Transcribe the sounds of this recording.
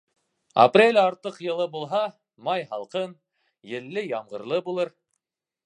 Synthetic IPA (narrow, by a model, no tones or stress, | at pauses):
a̰prʲelʲɑɾt̪ɤqjɤ̆lˠɤbulˠɦɑ | mɑjɦɑlˠqɤn | jɘ̆lːɘjɑmʁɤ̆ɾlˠɤbulˠɤɾ